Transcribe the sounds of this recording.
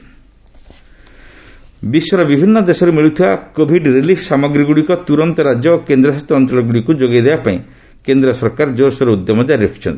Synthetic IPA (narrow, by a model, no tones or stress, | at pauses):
biswɔɾɔbibʱinːɔd̪esɔɾemiɭut̪ʰiwakobʱiɖɾelifʰsamɔɡɾiɡuɽikɔt̪uɾɔnt̪ɔɾad͡ʒjɔkend̪ɾɔɦast̪ɔɔnt͡ʃɔlɔɡuɽikud͡ʒoɡid̪ebapaĩ | kend̪ɾɔsɔɾkaɾd͡ʒoɾsɔɾeud̪jɔmɔd͡ʒaɾepʰi̥t͡ʃʰɔ̰nt̪i̥